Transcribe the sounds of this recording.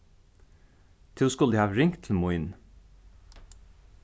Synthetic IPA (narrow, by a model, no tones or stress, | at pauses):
t̪ʰɪskʊld̪ehɑːʋɾɪŋt̪ʰl̩moːɪn